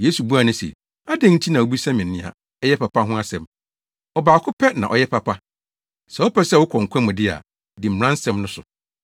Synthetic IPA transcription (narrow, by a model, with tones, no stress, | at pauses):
je˦su˨bu˦a˨nʊ̃˦sɛ̰˨ | a˦dɛ̃˦n̩˦t͡ɕʰi˦nã˨wo˦bi˦sa˦mɪ̃˨nːɪ̃˦a̰˨ | ɛ˦jɛ˦pʰa˨pʰa˦ɦʊ̃˦a˦sɛ̃˨m | ɔ˨baː˨kʰʊ˦pʰɛ˦nã̰˨ʔɔ̰˨jɛ˦pʰa˨pʰa˦ | sɛ˨ɔ˦pɛ˦sɛ˦˨wʊ˦kʰɔ̃˨ŋ̩˨kʷʰɛ̃˦mʊ̃˨dɪ˦a̰˨ | dɪ˨m̩˨ɾã˦n˦sɛ̃˦mnʊ̃˦sʊ̰˨